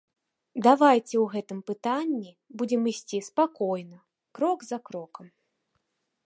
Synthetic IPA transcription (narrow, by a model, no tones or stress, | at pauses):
d̪avajt͡sʲɛwɣɛt̪ɨmpɨt̪anʲːi | bud͡zʲɛmisʲt͡sʲispakɔjnɐ | kɾɔɡzɐkɾɔkɐm